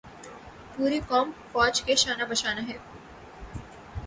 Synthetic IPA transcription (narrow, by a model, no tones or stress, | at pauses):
puːɾikɔːmfɔːd͡ʒkeʃaːnabɐʃaːnaɦɛː